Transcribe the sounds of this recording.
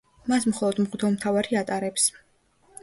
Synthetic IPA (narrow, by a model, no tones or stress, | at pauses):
masmχɔlˠɔd̪mʁwd̪ʰɔmt̪ʰavaɾiat̪ʼaɾɛps